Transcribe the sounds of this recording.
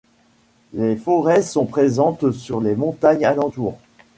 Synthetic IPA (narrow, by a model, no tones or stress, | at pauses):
lefɔʁɛsɔ̃pχezɑ̃t̪syʁlemɔ̃t̪aɲalɑ̃t̪uːʁ